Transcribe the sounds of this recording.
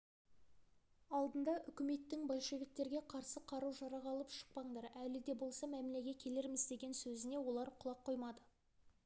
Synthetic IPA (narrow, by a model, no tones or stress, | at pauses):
ɑlˠd̪ənd̪ɑʔʏkʲɪme̞t̪ːɪŋbolʲˠʃe̞vʲik̚t̪e̞ɾɡʲe̞qʰɑɾsəqʰɑɾuʒɑɾɑʁɑlˠəpʃə̥q̚pɑɴd̪ɑɾælɪd̪e̞bo̞lˠsɑmæmɪle̞ɡʲe̞t̪̚ʲkʲʰe̞le̞ɾmɪzd̪e̞ɡʲe̞nsɵzɪne̞wo̞lˠɑɾqʰʊlˠɑqʰːo̞jmɑd̪ə